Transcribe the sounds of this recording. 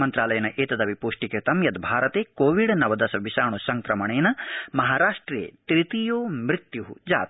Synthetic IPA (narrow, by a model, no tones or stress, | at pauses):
mɐnt̪ɾaːlɐjɐnɐʔeːt̪ɐd̪ɐʋipuːʂʈiket̪ɐmjɐd̪bʱaːɾɐt̪eːkoːʋiɖnɐʋɐd̪ɐsɐʋiʃaːɳusɐŋkɾɐmɐɳeːnɐmɐɦaːɾaːʂʈɾjḛːt̪ɾit̪ijoːmɾit̪juɦud͡ʒa̰ːt̪